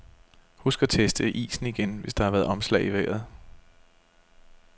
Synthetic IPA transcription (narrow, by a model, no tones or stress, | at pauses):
husɡ̥ɐt͡sʰesd̥əʔḭːsn̩iɡ̥enʋe̝sd̥ɑ̈ɑ̈ʋæːɐð̩ˠɒ̽mslɛ̰ɪiʋeɡ̥ð̩ˠ